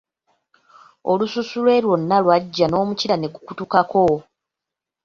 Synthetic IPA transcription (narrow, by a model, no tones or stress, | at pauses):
olususulwe̞ːɾwo̞nːalwaɟːano̞ːmuciɾane̞ɡukutukako̞